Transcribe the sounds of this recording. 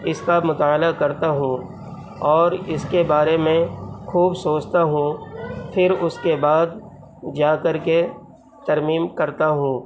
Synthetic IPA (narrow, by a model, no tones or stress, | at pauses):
ɪskamʊt̪aːlakɐɾt̪aɦũ | ɔːɾɪskebaːɾemẽxuːbsoːt͡ʃt̪aɦũpʰɪɾʊskebaːd̪ | d͡ʒaːkɐɾke | t̪ɐɾmiːmkɐɾt̪aɦũː